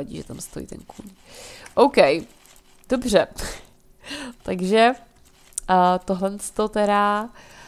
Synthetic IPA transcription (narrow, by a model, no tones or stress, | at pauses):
aɟḭːʒɛt̪amst̪ojḭt̪ɛ̰nkṵn | ʔowkɛj | d̥o̞br̝ɛ | t̪aɡʒɛ | t̪oɦlɛnst̪o̞t̪ɛɾa